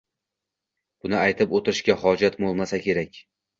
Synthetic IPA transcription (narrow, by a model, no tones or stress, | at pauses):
b̥ʊnɪajt̪ʰɪpot̪ɪɾɪʃkʲahɒd͡ʒat̪bolˠmasakʲʰe̞ɾakʲ